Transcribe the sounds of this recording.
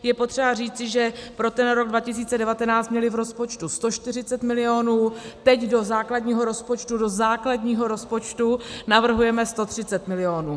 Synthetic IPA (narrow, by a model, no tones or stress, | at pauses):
jɛpo̞t̪r̝̥ɛbariːt͡sɪʒɛpɾo̞t̪ɛnɾo̞ɡ̚dvacɪs̬iːt͡sɛdɛvat̪ɛnaːt͡st̪mɲɛlɪvɾo̞spo̞t͡ʃt̪ust̪o̞ʃt̪ɪr̝ɪt͡sɛt̪mɪlɪo̞nuːt̪ɛcdo̞zaːkladɲiːɦo̞ɾo̞spot͡ʃt̪udo̞zaːkladɲiːɦo̞ɾo̞spo̞t͡ʃt̪unavr̩ɦujɛmɛst̪o̞t̪r̝̥ɪt͡sɛt̪mɪlɪo̞nuː